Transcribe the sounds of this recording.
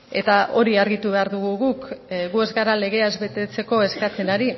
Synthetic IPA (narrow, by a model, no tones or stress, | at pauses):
e̞̰t̪aʔo̞ɾiaɾɣit̪uβe̞aɾðuɣ̞uɣukɣue̞zɣaɾale̞ɣ̞e̞aezβe̞t̪e̞t͡se̞ko̞e̞skat͡se̞naɾi